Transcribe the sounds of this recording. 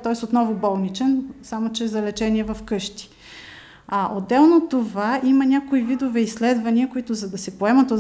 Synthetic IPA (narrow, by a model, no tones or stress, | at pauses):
t̪ɔɛsot̪nɔvʊbɔlˠnit͡ʃɛnsamot͡ʃɛzɐlɛt͡ʃɛniɛvɐfkɤʃt̪i̥ | aʔod̪ːɛlˠnot̪ovaʔimɐnʲakoivid̪ovɛislɛd̪vɐniəkoit̪ʊzɐd̪ɐsɛpoɛmɐt̪o